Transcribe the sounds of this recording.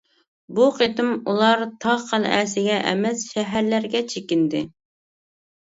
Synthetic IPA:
buqʰet̪ɪmulˠɑɾt̪ʰɑʁqʰɑn̰ʔæsɪɡʲɛʔɛ̰mɛsʃɛɦæɾlæɾɡʲɛt͡ʃʰekʲɪnd̪ɪ

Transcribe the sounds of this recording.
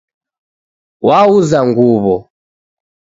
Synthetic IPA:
wauzaŋɡuβɔ

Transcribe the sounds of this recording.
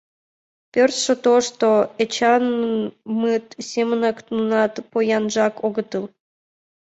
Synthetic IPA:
pʲørt̪ʃə̆t̪oʃt̪oet͡ɕɑnmɨt̪sʲemənɑknunɑt̪pojɑnʒɑkoɣət̪əl

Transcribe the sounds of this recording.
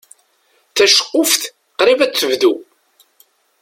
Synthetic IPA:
θæʃə̥qːʊfθ | qɾivæt͡sːəvðu

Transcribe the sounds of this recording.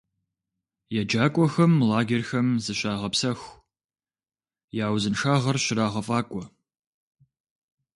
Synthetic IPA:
jɛd͡ʒaːkʷʼɔxɐmlaːɡʲerxɐmzɨɕaːʁɐpsɐx | jaːwzɨnʂʰaːʁɐrɕɪɾaːʁɐfʼaːkʷʼɔ

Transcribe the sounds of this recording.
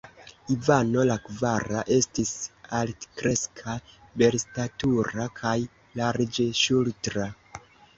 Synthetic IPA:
ivano̞lakvaɾaʔe̞stisaltkɾe̞skʰa | be̞ɾstatuɾakʰaj | laɾd͡ʒe̞ʃultɾa

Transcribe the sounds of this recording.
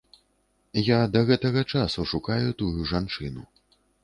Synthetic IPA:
jad̪ɐɣɛt̪ɐɣɐt͡ʂasuʂukajut̪ujuʐant͡ʂɨnṵ

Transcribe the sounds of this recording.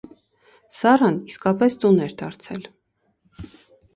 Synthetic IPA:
sɑrɑniskɑpɛst̪unɛɾd̪ɑɾt͡sʰɛ̰l

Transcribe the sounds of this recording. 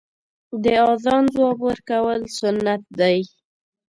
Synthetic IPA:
d̪əɑzɑnzwɑbwəɾkawəlsʊnːat̪̚d̪aj

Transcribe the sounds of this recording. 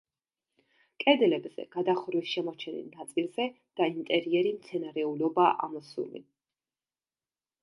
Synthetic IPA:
kʼɛd̪lɛbz̥ɛ̰ɡ̥ad̪aχɾwisʃɛmɔt͡ʃʰɛnḭlˠnat̪sʼilˠz̥ɛ | d̪̥aint̪ʼɛɾiɛɾimt̪sʰɛnaɾɛulɔbaʔa̰mɔsṵlḭ

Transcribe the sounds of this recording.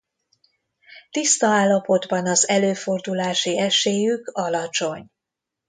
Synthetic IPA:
t̪ist̪ɒaːlːɒpo̞d̪bɒnɒzɛløːfo̞rd̪ulaːʃiɛʃeːjykɒlɒt͡ʃo̞ɲ

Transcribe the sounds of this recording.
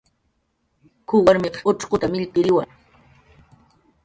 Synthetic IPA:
kʊwaɾmeqɑ̥ʊʈ͡ʂqʊt̪amɪʎpɪɾɪwa̰ŋ

